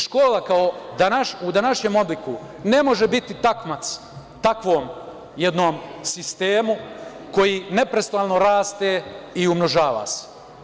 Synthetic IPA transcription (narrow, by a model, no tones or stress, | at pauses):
ʃko̞ːlakaod̪anaʃud̪anaʃɲe̞ːmo̞bliku | ne̞mo̞ʒebit̪it̪akmat̪s | t̪akʋoːm | jed̪no̞ːmsist̪eːmu | ko̞jiːne̞pɾe̞st̪oaːlˠno̞ɾaːst̪eiumno̞ʒaːʋa̰se̥